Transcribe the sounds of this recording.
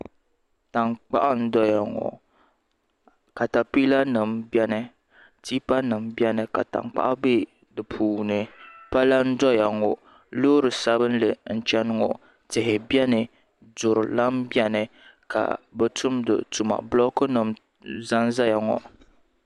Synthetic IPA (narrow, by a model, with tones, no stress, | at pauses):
ta˨ŋ͡mk͡pa̰˦ʔa˦n̩˦dɔ˦ja˨ŋɔ̰˨ | ka˨ta˨pi˦la˦nɨ˨mbɛ˦nɨ˦ | tiː˦pa˦nɨ˨mbi˦ɛ˦nɨ˨ka̰˨ta̰˨ŋ͡mk͡pa̰˦ʔa˦be˦ | dɨ˨pʰuː˨nɨ˨pa˦la˦n̩˦dɔ˦ja˨ŋɔ˨ | loː˦ɾɨ˨sa˦bɨ˦n̩˦lɨ˨n̩˦t͡ʃɛ˦n˦ŋɔ̰˨ | tɪ˨ɦɪ˨bjɛ˦nɨ˨ | dʊ˨ɾɨ˨la˦m˦bɛ˦nɨ˨ | ka̰˨bɛ˨tʊ˦mdɨ̰˨tu˨ma̰˨blɔ˦kɨ˦nɨ˨m | za˦nza˦ja˨ŋɔ̰˨